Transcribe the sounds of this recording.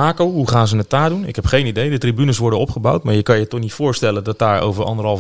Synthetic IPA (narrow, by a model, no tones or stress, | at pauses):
aːkowɦuχaːnzənəttaːdunɪ̰kɦɛpχejnidejdətribynəsʋɔɹdənɔpχəbawtmaːɹjəkɑnjətɔχnitfʊːɹstɛləndɔt̚daːɹo̰wvəɹɑ̰ndərɦɑlˠ